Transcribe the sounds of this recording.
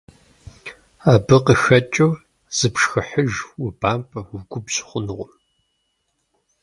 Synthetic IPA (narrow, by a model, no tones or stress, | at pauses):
aːbɨqəxɐt͡ʃʼɐ | z̥ɨpʂxɨħəʒwʊbaːmpʼɐwʊɡʷʊbɕɪ̥χʷʊnɨʁʷʊm